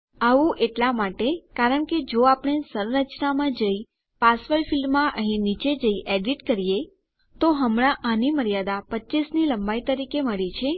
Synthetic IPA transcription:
aʋũʔeʈlamaʈekaɾəɳked͡ʒoapəɽ̃esəɾɾət͡ʃnamãd͡ʒəi | pasʋəɾfilmːãʔəɦĩnit͡ʃed͡ʒəiʔeɖiʈkəɾije | t̪oɦəmɽ̃ãʔaniməɾijad̪apətːʃisniləmbait̪əɾikeməɭit͡ʃʰe

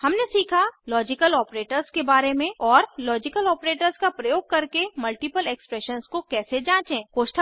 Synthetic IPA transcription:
hɐmnesiːkʰalɔːd͡ʒɪkəlɔːpɾeːʈəɾzkebaːɾemẽɔːɾlɔːd͡ʒɪkəlɔːpɾeːʈəɾskapɾɐjoːɡ̚kɐɾkemɐlʈɪpəlekspɾɛʃənskokɛːsed͡ʒãːt͡ʃẽːkoːʃʈʰə

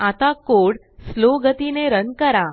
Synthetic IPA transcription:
at̪akoɽ | sloɡət̪ineɾənkəɾa

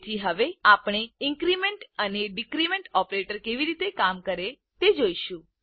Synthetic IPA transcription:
d͡ʒiɦəʋeapɽ̃eɪ̃ŋkɾimeɳʈəneɖikɾimẽɳʈɔpɾeʈəɾkeʋiɾit̪ekamkəɾe | t̪ed͡ʒoiʃũ

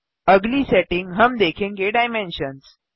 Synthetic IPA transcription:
əɡliːseʈɪŋɡɦəmd̪ekʰiŋɡeɖajmẽnɕəns

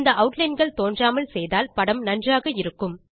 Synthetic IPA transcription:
nd̪ɐʔɐʊʈlɐɪnɡɐɭt̪oːndraːmɐlsɛjðaːlpɐɽɐmnɐndraːɣɐɪɾɯkːɯm

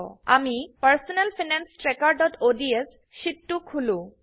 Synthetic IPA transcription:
ɔ̰a̰mipəɾsɔnelpʰinansʈɾekaɾɖɔʈoɖies | ʃiʈːukʰulũ

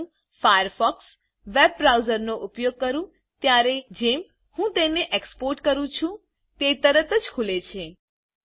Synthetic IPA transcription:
fajəɾfɔks | ʋeb̚ːɾawzəɾnoʔʊpjoɡ̚kəɾũ | t̪jaɾed͡ʒem | hũt̪eneʔekspoɾʈkəɾũt͡ʃʰũ | t̪et̪əɾət̪əd͡ʒkʰulet͡ʃʰe

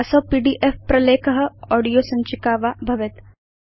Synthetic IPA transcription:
ɐsɐːpiːɖiːʔefpɾɐleːkɐɦɐ̆ɔːɖijoːsɐ̃ɲt͡ʃɪkaːʋabʱɐʋɪt̪

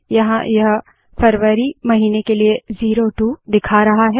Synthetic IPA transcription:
jɐɦãjɐɦ | fɐɾʋəɾimɐɦiːnekelieziːɾoʈud̪ɪkʰaɾɐɦaɦɛː

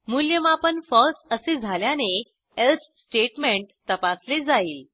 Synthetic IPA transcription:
muljəmapənfəɾsəsed͡zʱaljane | els | sʈeʈmeɳʈt̪əpasled͡zaiːl

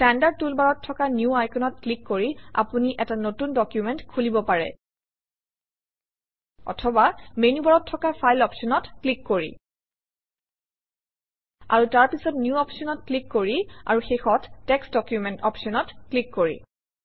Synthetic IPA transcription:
tɛndaɹd̚tulbaɹɔtʰːɔkanjuajkʰɔnɔt̚klikːoɹia̰puniʔɛtanotundɔkjumɛntkʰulibɔpaɹɛ̰ | ɔ̰tʰɔbamenubaɹɔtʰːɔkapʰajlɔpsɔnɔtklikːoɹḭ | a̰ɹutaɹpisɔtnjuɔpsɔnɔt̚klikːoɹia̰ɹuxejxɔtːɛksdɔkjumɛntɔpsɔnɔtklikːoɹḭ

